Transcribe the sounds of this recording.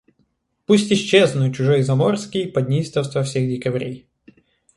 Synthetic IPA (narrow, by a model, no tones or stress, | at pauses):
pusʲtʲɪɕːe̞znʊjʊt͡ɕʊʐojzɐmorskʲɪjpɐd̪ʲnʲijst̪əfst̪vɐfsʲexdʲɪkɐvɾʲej